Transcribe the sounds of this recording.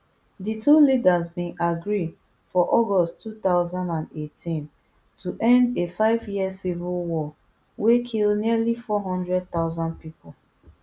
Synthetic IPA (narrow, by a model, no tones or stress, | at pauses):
ditulidazbĩnʔaɡɹid | fɔʔɔɡɔsttʰːut̪aʊzãndãndetĩn | tʰuʔɛ̃ndefaɪvjiəsivulwɔ | wekʰilniəlifɔɦɔ̃ndɹɛd̚t̪aʊzãnd̚pipʊ